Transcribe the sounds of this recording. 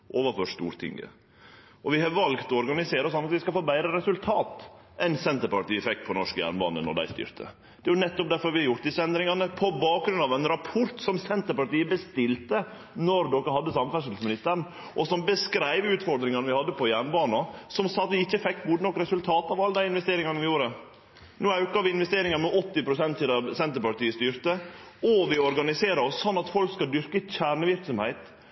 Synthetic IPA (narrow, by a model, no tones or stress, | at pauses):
ʔoːʋəfɔʂt̪ṵːɾt̪ʰɪ̰ŋɡə̰ | ʔɔʋɪhɑɾʋɑlɡt̪ɔɔɾɡɑnɪseːɾəɔsɔnːɑt̪ʋɪskɑfoːbæɪɾəɾɛsʉlt̪ʰɑːt̪ | ʔɛnsɛnt̪əɾpɑʈiːəfɛkːpʰɔnɔʂkəjæ̰ːɳbɑ̰ːnə̰nɔ̰ɖæ̰ɪst̪ʏ̰ːɾt̪ʰə̰ | d̪̥ɛːjʊnɛt̪ːɔp̚d̪æɾfɔɾʋɪhɑɾjʊʈ̚d̪ɪsəɛnd̪ɾɪŋɑnəpʰɔbɑːk̚ɡɾʉnɑʋɛnɾɑpʰʊɾt̪sɔmsɛnt̪əɾpɑʈiːəbəst̪ɪlt̪ə | nɔɾd̪ɔkːəhɑd̪ːəsɑmfæʂəlsmɪnɪst̪əɾɳ | ʔɔsɔmbəskɾæɪʋʉːt̪fɔɾd̪ɾɪŋɑnəʋɪhɑd̪ːəpʰɔjæːɳbɑːnɑsɔmsɑt̪ʋɪɪçːəfɛkːɡud̪ənɔkːɾɛsʉlt̪ʰɑːt̪ɑʋɑlːəd̪æɪɪnʋɛst̪eːɾɪŋɑnəʋɪjuːɾə | nuːɑʉkɑʋɪɪnʋɛst̪eːɾɪŋɑɾmɛʔɔt̪ːɪpʰɾʊsɛnt̪sɪd̪ɑsɛnt̪əɾpɑʈ̪iːəst̪yːɾt̪ə | ɔʋɪɔɾɡɑnɪseːɾəɔsːɔnːɑt̪fɔlkskɑld̪ʏɾkəçæːɳəʋɪɾksɔmhæɪt̪